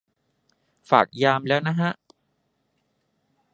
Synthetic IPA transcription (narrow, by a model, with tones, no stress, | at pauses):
fa̰ː˨˩k̚jaː˧mlɛː˦˥wna˦˥ɦa˦˥ʔ